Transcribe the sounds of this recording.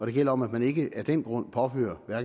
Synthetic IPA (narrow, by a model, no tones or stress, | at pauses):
ɒ̽d̥e̝ɡ̥el̰ɐɒ̽mæd̥mæne̝ɡ̥əæd̥en̰ɡ̥ʁɔ̽n̰pʰɒ̽fø̰ːɐʋæɐɡ̥